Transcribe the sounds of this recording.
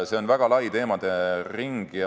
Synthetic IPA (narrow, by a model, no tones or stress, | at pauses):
se̞o̞nvæɡ̥ɑlɑjt̪e̞ːmɑd̪̥eriŋɡ̥